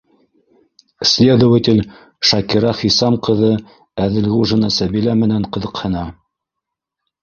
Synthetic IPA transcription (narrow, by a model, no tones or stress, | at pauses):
sʲlʲed̪ŏwɘt̪ʲɪlʲ | ʃɑkiɾɑχisɑmqɤ̆ðɤ | æðɘ̆lɣuʐɤ̆nɑsæbilæmɘ̆næɴqɤ̆ðɤ̆qhɤ̆nɑ